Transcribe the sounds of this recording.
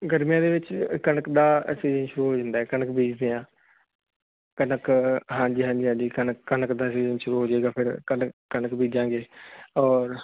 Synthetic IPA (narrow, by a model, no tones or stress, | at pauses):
ɡəɾmijãːd̪eːʋɪt͡ʃkənəkd̪aːsiːzənʃʊɾuːɦoːd͡ʒãːnd̪aːɦɛːkənəkbiːd͡ʒd̪eːãː | kənəkɦãːd͡ʒiːɦãːd͡ʒiːɦãːd͡ʒiːkənəkːənəkd̪aːsiːzənʃʊɾuːɦoːd͡ʒeːɡaːpʰɪɾkənːənəkbiːd͡ʒãːŋɡeːɔːɾ